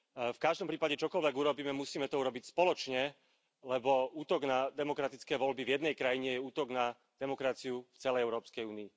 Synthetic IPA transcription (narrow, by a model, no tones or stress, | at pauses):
fkaʒd̪ɔmpɾiːpaɟɛt͡ʃɔkɔlʋɛɡuɾɔbiːmɛmusiːmɛt̪ɔuɾɔbicspɔlɔt͡ʃɲɛ | lɛbɔuːt̪ɔɡnad̪ɛmɔkɾat̪it͡skɛːʋɔlbivjɛd̪nɛjkɾajiɲɛjɛuːt̪ɔɡna | d̪ɛmɔkɾat͡siuft͡sɛlɛjɛʊɾɔːpskɛjuːniː